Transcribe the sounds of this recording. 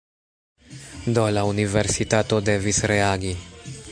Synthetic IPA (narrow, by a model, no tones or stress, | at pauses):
d̪olaunivɛɾsit̪at̪od̪ɛvisɾeaɡi